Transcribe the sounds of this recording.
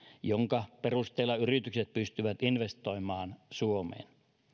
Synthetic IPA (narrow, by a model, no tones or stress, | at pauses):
joŋkɑperust̪eːlɑyrit̪ykset̪̚pyst̪yʋæt̪inʋest̪oimɑːnsuomḛːn